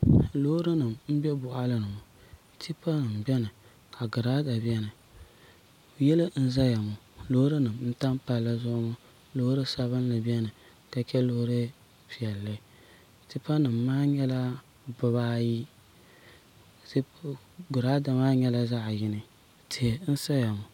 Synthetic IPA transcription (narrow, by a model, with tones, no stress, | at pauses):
lo˦ho˦ɾɨ˦nɨ˨mm̩˦bɛ˦bʊ˨ʔa˦lɨ˦nɨ˨mʊ˨ | tʰi˦pa˦nɨ˨m˨bɛ˦nɨ˨ | ka˨ɡʊ˨ɾaː˦da˨bi˦ɛ˦nɨ˨ | jɛ˦lɨ˦n̩˦za˦ja˨mʊ˨ | lo˦hɾɨ˦nɨ˨mn̩˦ta˦mpa˨lla˦zʊ˦ʔŋʊ˦ | lo˦hɾɨ˦sa˨βɨ˦n˦lɨ˨bɛ˦nɨ˨ | ka˨t͡ʃɛ˦lo˦hɾɨ˦ | pi˨ɛ˨lːa˦˨ | ti˦pa˦nɨ˨mː˦aː˦ɲɛ˦la˦ | bʊ˨βaː˦ji˦ | ti˦ | ɡʊ˨ɾa˦da˨maː˦ɲɛ˦la˦za˦ʔjɪ˦nɨ˨ | tɪ˨n̩˦sa˦ja˨mʊ˨